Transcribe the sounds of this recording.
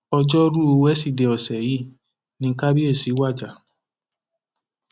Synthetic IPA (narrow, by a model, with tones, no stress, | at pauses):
ɔ˧d͡ʒɔ˦ɾu˦o˧wɛ˦si˦˨de˨ɔ˨sɛ˨ji˨˦˨ | nĩ˧˦ka˦bi˦e˦˨si˨˦wa˦˨d͡ʒa˨